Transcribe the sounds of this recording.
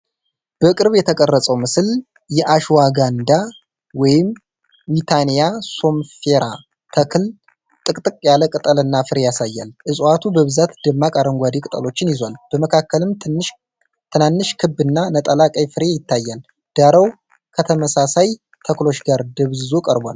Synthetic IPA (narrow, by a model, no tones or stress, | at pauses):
b̥əkʼɨɾβjɛt̪ʰəkʼərːəsʼəwmɨsɨl | jɛʔaʃuwaɡand̪a | wɔjɪm | wit̪ʰanijaso̞mfe̞ɾa | t̪ʰəkʰɨl | t̪ʼɨkʼt̪ʼɨkʼjaləkʼɨt̪ʼəlɨnːafɨɾe̞jasajːa̰lʔɨsʼwat̪ʰubəβɨzat̪d̪ɨmːakʼaɾəŋɡʷad̪ikʼɨt̪ʼə̰lo̞t͡ʃːɪnjɪzwalb̥əməkʰakːəlɨmt̪ʰɨnːɨʃ | t̪ʰɨnanːɨʃkʰɨbːɨnːanət̪ʼəlakʼəjfɨɾe̞jɪt̪ːajːal | d̪̥aɾəw | kʰət̪ʰəməsasaj | t̪ʰəklo̞t͡ʃːɡaɾd̪əβzokʼəɾbʷa̰l